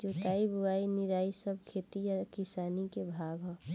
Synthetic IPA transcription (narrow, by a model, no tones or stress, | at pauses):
d͡ʒoːt̪aːibʊɡaːinɪɾaːisəb̚ʱkʰeːt̪ijakɪsaːnikebʱaːɡɦɔ